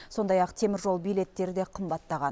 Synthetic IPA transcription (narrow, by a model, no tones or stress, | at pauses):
so̞nd̪ɑjɑqt̪ʰe̞mɪɾʒo̞lˠbijle̞t̪ːe̞ɾɪd̪e̞qʰəmbɑt̪ːɑʁɑn